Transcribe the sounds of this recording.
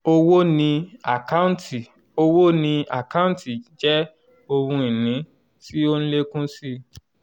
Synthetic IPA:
o˧wo˦nĩ˧a˨ka˦ũ˦nti˨ | o˧wo˦nĩ˧a̰˨ka˦ũ˦nti˨d͡ʒɛ˦ | o˧ɾũ˧i˨nĩ˨˦ | si˦o˦n̩˦le˦kũ˦si˦

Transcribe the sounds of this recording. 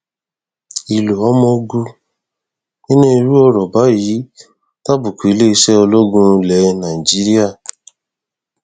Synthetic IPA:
i˨lu˨ɔ˨˦mɔ̃˧ɡu˧ | nĩ˦nẽ˦i˧ɾu˦ɔ˦ɾɔ˨ba˨˦ji˨˦ | ta˦bu˨ku˨i˨˦le˦i˧˦ʃɛ˦o˧lo˦ɡũ˦˧lɛ˨˦nã˨i˨d͡ʒi˦ɾi˦a˦˨

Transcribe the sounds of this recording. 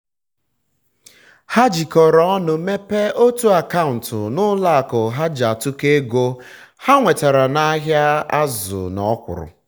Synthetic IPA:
ha˦d͡ʒi˨kɔ˨ɾɔ˦nʊ˨me˦pe˦o˦tu˦a˨ka˦ʊ˨n̩˨tʊ˨nʊ˦la˦a˨kɔ˨ɦa˦d͡ʒa˨tʊ˦ke˦ɡo˦ha˦ŋʷe˨ta˨ɾa˨na˦ɦja˦a˦zʊ̰˨nɔ̰˨˦kʷʊ̰˨ɾʊ̰˨

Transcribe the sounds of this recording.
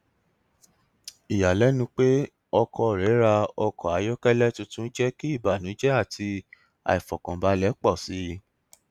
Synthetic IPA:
i˨ja˨lɛ˨˦nũ˧˦k͡pe˦ | ɔ˧kɔ˧˨ɾɛ˨˦ɾa˧ɔ˧kɔ˨a˨˦jɔ˦kɛ˦lɛ˦tu˧tũ˦d͡ʒɛ˦ki˦i˦˨ba˨nũ˨˦d͡ʒɛ˦a˦˨tʰi˧ | a̰˨i˨fɔ˨kã˨ba˨˦lɛ˨˦k͡pɔ˦˨si˨˦

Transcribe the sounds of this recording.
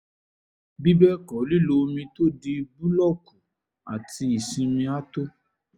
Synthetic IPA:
bi˦bɛ˦kɔ˨˦li˦˨lo˧mĩ˧to˦di˧bu˦lɔ˦˨kũ˨ | a̰˨ti˧i˨sĩ˧mĩ˧a˦to˦

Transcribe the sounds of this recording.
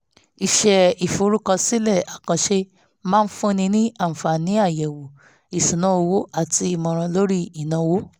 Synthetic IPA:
i˦˧ʃɛ˧i˨fo˨˦ɾu˦kã˧si˦lɛ˦˨a˨kã˨˧ʃe˦ | mãː˦˧n̩˦fũ˦˧nĩ˧nĩ˦ã˦˨fa˨nĩ˨˦a˦˨jɛ˨wo˨ | i˨sũ˨nã˨˦o˧wo˦a˦˨ti˧i˧mɔ̃˧ɾ̃ã˧lo˦ɾi˦i˨nã˨˧˦wo˦

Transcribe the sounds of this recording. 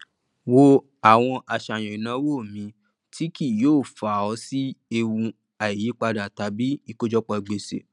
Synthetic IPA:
wo˧ | a˨w̃ɔ̃˧ʔa˨ʃa˨j̃ã˨i˨nã˨˦wo˦˨mĩ˧˦ | tʰi˦ki˦˨joː˦˨fa˨ɔ˨˧˦si˦e˧wũ˧ | a˨i˨ji˨˦k͡pa˧da˨ta˨˦bi˦i˧ko˦d͡ʒɔ˦k͡pɔ˧i˨ɡ͡be˨sḛ˨

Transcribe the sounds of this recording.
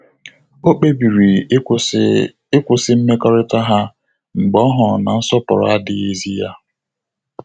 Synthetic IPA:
o˦k͡pe˦bi˨ɾi˨ | ɪ˦kʷʊ˨sɪ˦m̩˦me˦kɔ˦ɾɪ˦ta˦ɦa˦ | ŋ͡m̩˨ɡ͡bɔ˦ɦʊ˨na˨n̩˦sɔ˦pʊ˨ɾɔ̰˨a˦dɪ˦e˦zi˦ja˦

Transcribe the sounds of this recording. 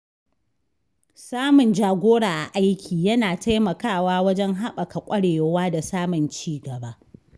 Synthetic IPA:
saː˦mʊ˨nd͡ʒaː˨ɡʷoː˦ɽaː˨ʔa˨ʔa˦jkʲʰiː˨jɐ˦naː˨ta˦jmɐ˨kaː˦˨waː˦wɐ˦d͡ʒɛ˦ŋɦa˦ɓɐ˨ka˨kʷʼɐ˦ɽeː˨jwaː˦da˨saː˦mʊ˨nt͡ʃiː˦ɡɐ˨baː˦

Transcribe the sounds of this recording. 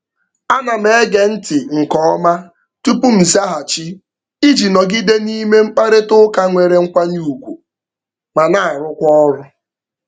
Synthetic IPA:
a˦na˨m̩e˨˦ɡe˨n̩˦tɪ˨ŋ̩˨kɔ˦ma˦ | tu˦pu˦m̩˨za˦ɦa˨t͡ʃi˦ | i˦d͡ʒi˨nɔ˨ɡɪ˦de˦ni˦me˦m̩˦k͡pa˦ɾe˦tʊ˦ka˦ŋʷe˨ɾe˨ŋ̩˦kʷa˦ɲu˦u˨kʷu˨ | ma˨na˨ɾʊ˦kʷɔ˦ɔ˦ɾʊ˦

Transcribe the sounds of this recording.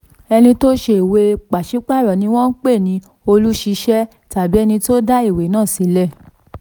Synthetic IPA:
ɛ˧nĩ˧to˦ʃe˧i˨we˧k͡pa˨ʃi˨˦k͡pa˦˨ɾɔ˨nĩ˧w̃ɔ̃˦n̩˦k͡pe˦˨nĩ˧˦ | o˧lu˦ʃi˧ʃɛ˦ | ta˨bi˨˦ɛ˧nĩ˧to˦da˦i˦˨we˨˦nãː˦˨si˨˦lɛ˦˨

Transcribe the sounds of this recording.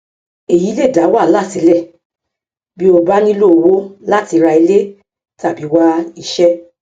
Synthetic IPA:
e˨ji˨˦le˦˨da˨˦wa˦˨la˦˨ti˨˦lɛ˦˨ | bi˦o˧ba˦nĩ˦lo˦˨wo˦la˦˨ti˨˧ɾa˧i˧le˦ | ta˨bi˨˦wa˧i˦˧˨ʃɛ˦

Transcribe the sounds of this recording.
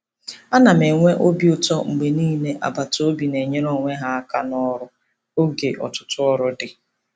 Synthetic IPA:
a˦na˨me˨ŋʷe˦ʔo˦bi˨ʊ˦tɔ˦ŋ͡m̩˨ɡ͡be˨niː˦ne˦ʔa̰˨ba˨to˦bi˨ne˨ɲe˦ɾɔ˦˨ŋʷe˦ɦa˦a˦ka˦nɔ˦ɾʊ˦ | o˦ɡe˨ʔɔ̰˨tʊ̥˨tʊ˦ɔ˦ɾʊ˦dɪ˨

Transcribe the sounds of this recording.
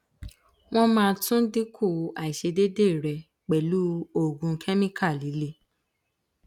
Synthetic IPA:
w̃ɔ̃˦mãː˧tũ˦di˦kʰu˦˨˦a˨i˨ʃe˧de˦de˦˨ɾɛ˨ | k͡pɛ˨lu˨˦o˦˨ɡũ˧kʰɛ˦mĩ˦kʰa˦˨li˨˦le˦

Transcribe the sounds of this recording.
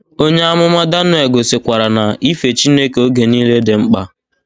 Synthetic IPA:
o˦ɲe˦a˦mʊ˦ma˦da˦nʊ˦e˨ɡo˨se˨kʷa˨ɾa˨na˨i˦fe˨t͡ʃi˦ne˦ke˨o˦ɡe˨niː˦le˦de˨ŋ͡m̩˦k͡pa̰˦

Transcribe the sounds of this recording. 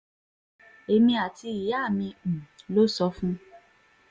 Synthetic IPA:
e˧mĩ˧a˨ti˧i˨ja˦˨mĩ˧˨lo˦sɔ˧fũ˦

